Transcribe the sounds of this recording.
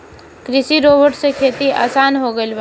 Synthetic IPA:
kɾɪʃiɾoːbəɾʈsekʰeːt̪ia̰ːsaːnɦoɡəib

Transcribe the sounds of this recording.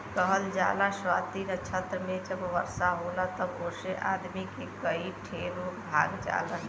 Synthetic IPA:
kəɦəld͡ʒalaswat̪inət͡ʃʰət̪ɾəmed͡ʒəbʋə̰ɾsaɦolat̪əboseʔad̪mikekəiʈʰelobʱa̰ɡd͡ʒa̰lən

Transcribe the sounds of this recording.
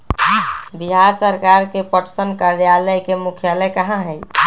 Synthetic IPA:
biɦaɾsəɾkaɾkepəʈsənkaɾjaləjkemukʰjaləkəɦãɦɛj

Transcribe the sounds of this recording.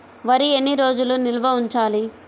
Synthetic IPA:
ʋɐɾienːiɾo̞ːd͡ʒulunilɐʋɐuɲt͡ʃaːli

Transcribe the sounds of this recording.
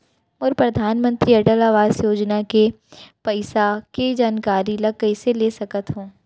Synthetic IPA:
ɔːɾpɾɐd̪ʱaːnmə̃nt̪ɾiɐʈəlaʋaːsjoːd͡ʒnake | pɐɪsaked͡ʒaːnkaːɾilɐɡəiseleːsɐkət̪ɦõː

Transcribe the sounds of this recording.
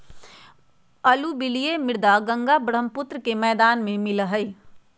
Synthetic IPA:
əlubɪlijemɪɾd̪aɡə̃ŋɡabəɽ̤əmpʊt̪ɾəkemɛːd̪aːnmẽmɪlɦəi

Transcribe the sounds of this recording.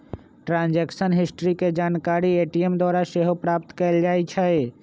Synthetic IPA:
ʈɾãːnd͡ʒɛːkʃənɦɪsʈɾiked͡ʒaːnkaːɾieːʈiemd̪waːɾaʃeɦopɾaːp̚t̪kɛld͡ʒaːit͡ʃʰae

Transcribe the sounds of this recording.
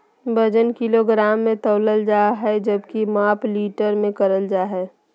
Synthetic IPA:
bəd͡ʒənkiloɡɾaːmːẽt̪əːləld͡ʒaːɦɛd͡ʒəbkimaːpliːʈəɾmẽkəɾəld͡ʒaːɦɛː

